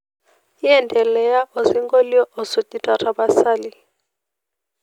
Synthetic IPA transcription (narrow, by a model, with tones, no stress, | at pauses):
jɛ˦˨ndʱɛ˨lɛ˨ja˦ʔɔ˨zi˦ŋɡo˦li˦ɔ˦ʔɔ˨so˨tʼi˦tʼa˨rʰa˨ba˦sa˦li˦